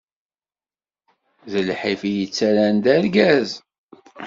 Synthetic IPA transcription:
ðəlħifijət͡sːæɾænd̪æɾɡæz

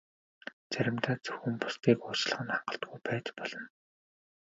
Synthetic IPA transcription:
t͡sæɾʲɪ̆mt̪ʰaːt͡sɵwxɘ̆mpʊ̥st̪iːkʊːt͡ɕɮə̆χə̆naɴɢə̆ɬt̪̚ɡujpæːt͡ɕ̪pɔɮ̥ɞ̆n

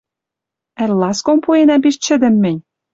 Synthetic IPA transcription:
æ̆lʲlɑskompuenæpiʃt͡ɕɘ̆d̪ɘ̆mːɘ̆nʲ

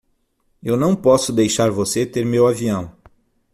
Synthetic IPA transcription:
ewnɐ̃w̃pɔsʊd̪ejʃaɾvoset̪eɾmewaviɐ̃w̃

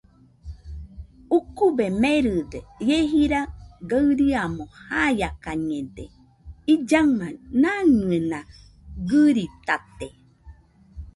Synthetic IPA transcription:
ukubemeɾɨd̪ejeɦiɾaɡaɨɾiamõhajakaɲẽd̪e | id͡ʒamãnanɨenã | ɡɨɾit̪at̪e

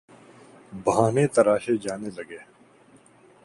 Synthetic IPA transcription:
bɦaːneːt̪ɐɾaːʃed͡ʒaːneːlɐɡeː

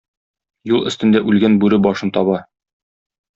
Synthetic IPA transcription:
julˠɘ̆st̪ɘ̆nd̪æʔʉlɡænbʉɾɘbɒʃɤnt̪ɒβɑ

